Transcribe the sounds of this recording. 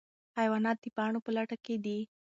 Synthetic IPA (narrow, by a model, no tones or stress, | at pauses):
hajwɑnɑt̪̚d̪ipɑɳopəlaʈaked̪i